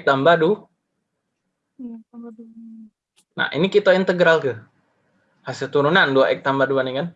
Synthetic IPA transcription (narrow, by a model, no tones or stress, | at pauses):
k̚t̪ambadu | na̰ʔḭnikit̪oint̪əɡɾalkə | hasɪlt̪uɾunandua̰ʔɛk̚t̪ambaduanikan